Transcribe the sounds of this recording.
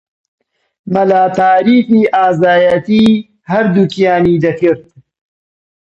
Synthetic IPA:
mɐlaːt̪aːɾiːfniːʔaːzaːjɐt̪iː | hɐɾd̪ukijaːniːd̪ɐkɨɾt̪̚

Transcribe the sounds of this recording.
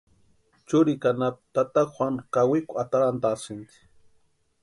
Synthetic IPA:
t͡ʃʊɾikanapt̪at̪akxʷwankawikʊat̪aɾant̪asɪnt̪i̥

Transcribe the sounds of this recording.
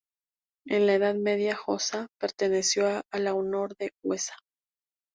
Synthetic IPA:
enlae̞ðaðmeðjaxosape̞ɾt̪e̞ne̞sjoalaono̞ɾðeɣwesḁ

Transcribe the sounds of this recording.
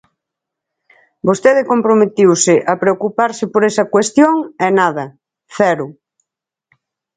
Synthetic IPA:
bost̪eðɪkompɾomet̪iwsɪʔɐpɾeokupaɾsɪpoɾɛsɐkwest̪joŋɛnaðɐ | θɛɾʊ

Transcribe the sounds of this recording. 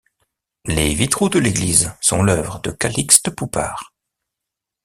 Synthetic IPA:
levit̪χod̪əleɡlizsɔ̰̃lœvʁəd̪əkalikst̪əpupa̰ːʁ

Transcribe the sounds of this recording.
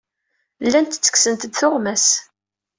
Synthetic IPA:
lːænt̪t͡sːə̥ksənt̪əd̪θʊʁmæs

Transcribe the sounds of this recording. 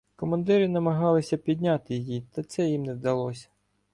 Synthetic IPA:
kɔmɐnd̪ɪɾɪnɐmɐɦɑlˠɪsʲɐpʲid̪ʲnʲat̪ɪjɪjit̪ɐt̪sɛjimnɛwd̪ɐlˠɔsʲɐ̥

